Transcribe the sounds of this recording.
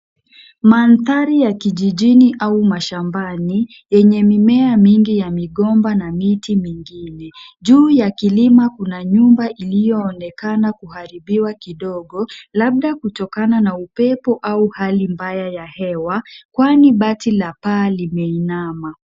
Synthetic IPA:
manθaɾijakiʄiʄiniʔaumaʃambani | jɛɲɛmimɛamiŋɡijamiɠɔmbanamitimiŋɡinɛʄuːjakilimakunaɲumbaʔilijɔːnɛkanakuhaɾiɓiwakiɗɔɠɔlaɓ̚ɗakutɔkananaupɛpɔʔauhalimbajajahɛwakwaniɓatilapaːlimɛinama

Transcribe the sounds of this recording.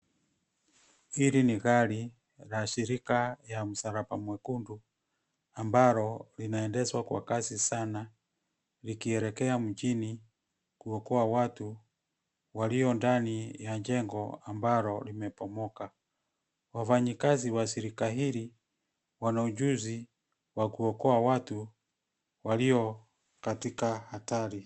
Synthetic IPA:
iɾiniɣali | laʃiɾikajam̩saɾabamwɛkundu | ambaɾɔlinaɛndɛswakwa̰kasisana | likiɛɾɛkɛam̩d͡ʒini | kuɔkɔawatu | waliɔndanijaɲd͡ʒɛŋɡɔambaɾɔlimɛpɔmɔka | wafaɲikaziwasiɾikaɦili | wanaud͡ʒuzi | wakuɔkɔawatu | waliɔ | katikahataɾi

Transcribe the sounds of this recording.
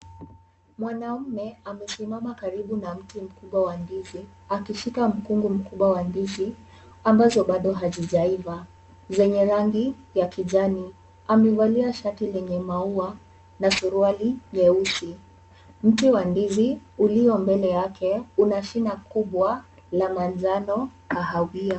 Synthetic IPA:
mwanam̩mɛamɛsimamakaɾiɓunam̩tim̩kuɓwawandizi | akiʃikam̩kuŋɡum̩kuɓwawandizi | ambazɔɓaɗɔɦaʄiʄaiva | zɛɲɛɾaŋɡi | jakiʄani | amɛvaliaʃatilɛɲɛmaua | nasuɾualiɲɛusi | m̩tiwandiziuliɔmbɛlɛjakʰɛunaʃinakuɓwa | lamwanzanɔkaɦawia

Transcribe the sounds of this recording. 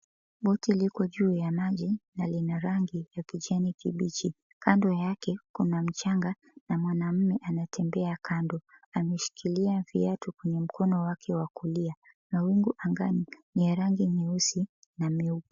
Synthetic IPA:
ɓɔtilikɔʄuːjamaʄinalinaɾaŋɡijakiʄanikiɓit͡ʃi | kandɔjakɛkunam̩t͡ʃaŋɡa | namwanam̩mɛʔanatʰɛmbɛakʰandɔamɛʃi̥kʰiliavḭatukwɛɲɛm̩kɔnɔwakʰɛwakulia | nawiŋɡuʔaŋɡaniniaɾaŋɡiɲɛusi | namɛupu

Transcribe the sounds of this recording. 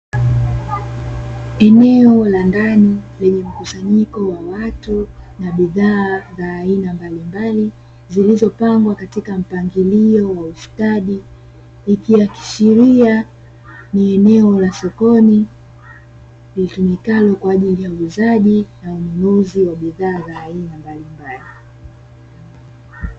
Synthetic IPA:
ɛnɛɔlandanilɛɲɛm̩kusaɲikɔwawatunaɓiðaːzaːinambalimbali | zilizɔpaŋɡwakatikam̩paŋɡiliɔwaufi̥kaɗi | ikiwaki̥ʃiɾia | niɛnɛɔlasɔkɔni | litumikalɔkwaːʄilijauuːzaʄinaununuziwaɓiðaːzaːinambalimbali

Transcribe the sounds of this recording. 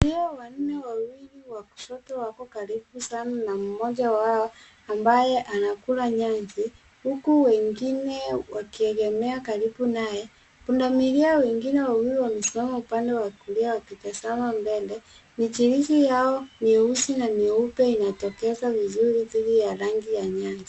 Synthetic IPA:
diɔwan̩nɛwawiliwaku̥ʃɔtɔwakɔkaɾibusananam̩mɔʄawaɔ | ambajɛʔanakulaɲanzi | hukuwɛŋɡinɛwakiɛɡɛmɛakaɾibunajɛ | pundamiɾiawɛŋɡinɛwawiɾiwamɛsimamaupandɛwakuliawapitasanambɛlɛ | nit͡ʃiɾiʃijaɔniusinaniupɛinatɔkɛzavizuɾiðiɗijaɾaŋɡijaɲaɲzi

